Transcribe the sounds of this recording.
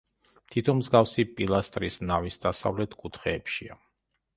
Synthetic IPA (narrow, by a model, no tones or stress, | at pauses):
t̪ʰit̪ʰɔmzɡafsipʼilˠast̪ʼɾisnavisd̪asa̰vlɛt̪ʰkʼut̪ʰχɛːpʃia